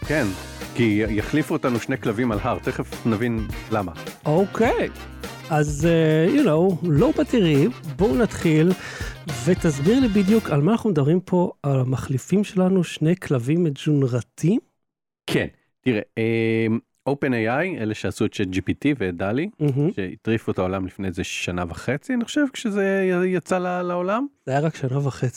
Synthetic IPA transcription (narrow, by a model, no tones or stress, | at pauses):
ken | kijaχlifuotanuʃnejklavimalɦaʁt̪eχefnavinlamaowkʰej | azejunowlo̞batiʁibo̞unatχil | ve̞tazbiʁlibid̪jukalmaːnaχnumed̪ɐbʁimpʰo̞alamaχlifimʃe̞lanuʃne̞jkʰlavimed͡ʒunʁatʰim | kʰḛn | tiʁeem | ʔowpenejajeleʃeasuett͡ʃetd͡ʒipitivedalim̩ɦm̩ʃeḭt̪ʁifuet̪aolamlifnejzeʃanavaχet͡sianiχoʃevkʃezejat͡salalaolamajaʁakʃanavaχe̞t͡si